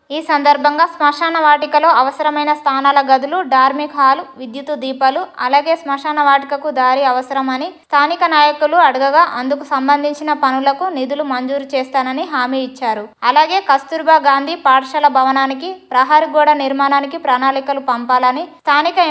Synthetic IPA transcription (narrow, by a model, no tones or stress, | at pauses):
iːsɐnd̪ɐɾbʱɐŋɡaːsmɐʂaːnɐʋaːʈikɐlo̞ːɐʋɐsɐɾɐmɐjnɐst̪ʰaːnaːlɐɡɐd̪uluɖaːɾmikɦaːluʋid̪jut̪ud̪iːpɐluɐ̰laːɡe̞ːsmɐʂaːnɐʋaːʈikɐkud̪aːɾiɐʋɐsɐɾɐmɐnist̪ʰaːnikɐnaːjɐkuluɐɽuɡɐɡaːʔɐnd̪ukusɐmbɐnd̪ʱiɲt͡ʃinɐpɐnulɐkunid̪ulumɐɲd͡ʒuːɾut͡ʃɛːst̪aːnɐniɦaːmiːit͡ʃːaːɾuɐlaːɡe̞ːkɐst̪uɾbʱaːɡaːnd̪ʱipaːɾʂɐlɐbʱɐʋɐnaːnikipɾɐɦaːɾiɡɔːɽɐniɾmaːnaːnikipɾaːnaːlikɐlupɐmpaːlɐnit̪ʰaːnikɐ